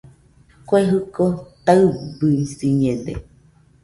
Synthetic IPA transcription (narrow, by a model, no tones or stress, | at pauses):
kʷeɦɨkot̪aɨbɨisiɲẽd̪ḛ